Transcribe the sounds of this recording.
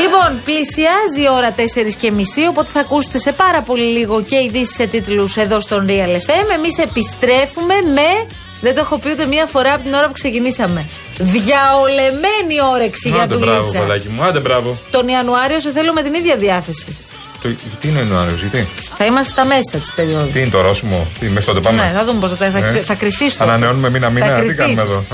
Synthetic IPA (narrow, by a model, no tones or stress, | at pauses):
lipo̞nplisiɐzio̞ɾɐt̪e̞se̞ɾisce̞misio̞po̞t̪e̞θɐkuse̥t̪ese̞pɐɾɐpo̞liliɣo̞ce̞iðisi̥se̞t̪it̪luse̞ðo̞st̪o̞nɾiɐle̞fe̞me̞mise̞pist̪ɾe̞fume̞me | ðed̪oxo̞piund̪emɲiɐfo̞ɾɐpot̪ino̞ɾɐpukse̞cinisɐme̞ | ðʝɐole̞me̞nio̞ɾeksiʝɐðulivt͡sɐlɐcimuɐd̪ebɾɐvot̪o̞niɐnuɐɾio̞seθelome̞t̪iniðʝɐðiɐθe̞si | t̪oɐt̪iineɐnuɐɾiozʝɐt̪iθɐimɐst̪et̪ɐme̞sɐt̪i̥spe̞ɾio̞ðut̪iinet̪oɾosimot̪imest̪ot̪epamneθɐðumeposðt̪ɐɐθɐkɾiθist̪ɐnɐneo̞numeminɐmiɐɾit̪ikɐimesðo